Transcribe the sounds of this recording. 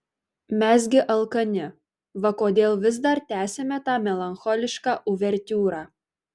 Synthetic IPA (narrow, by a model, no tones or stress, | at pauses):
mʲɛs̬ɡʲɪʔɐlˠkɐnʲɪ | ʋɐkoːd̪ʲeːlˠʋʲɪzd̪ɐɾt̪ʲæːsʲɛmʲɛt̪ɑːmʲɛlˠɐnxɔlʲɪʃkɑːʔʊʋʲɛɾʲt̪ʲuːɾɑː